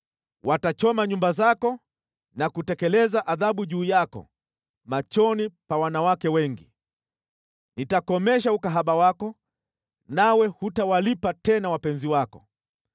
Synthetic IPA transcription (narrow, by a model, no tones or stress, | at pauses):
wʔatat͡ʃɔmaɲumbazakɔ | nakutɛkɛlɛzaʔaðaɓuʄuːjakɔ̰ | mat͡ʃɔnipawanawakɛwɛŋɡi | nitakɔmɛʃ̬aukaɦaɓawakɔ | nawɛhutawalipatɛnawapɛnziwakɔ